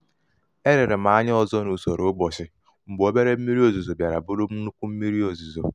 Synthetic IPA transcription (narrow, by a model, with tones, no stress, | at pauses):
e˦ɾɪ˨ɾɪ˨m̩a˨a˦ɲ˦ɔ˦˨zɔ˦nu˨sɔ˨ɾo˦ɡ͡bɔ˨sɪ˨ | m̩˨ɡ͡bo˦be˦ɾe˦m̩˦mi˦ɾi˦o˦˨zu˨zo˨bja˨ɾa˨bʊ˦ɾʊ˦m̩˦nu˦kʷu˦m̩˦mi˦ɾi˦o˨zu˨zo˨